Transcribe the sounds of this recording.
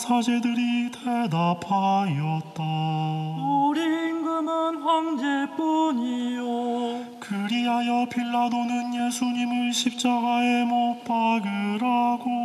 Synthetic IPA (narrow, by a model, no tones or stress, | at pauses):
sʰad͡ʑe̞dɯɾitʰedapʰaiʌt̚t͈a | oɾiŋɡɯmɯnɸwaŋd͡ʑep͈uɲijo | kɯɾiɦajʌpʰiɭːadonɯnje̞sʰuɲimɯnɕʰip̚t͡ɕ͈aɡae̞mop͈aɡɯɾaɡo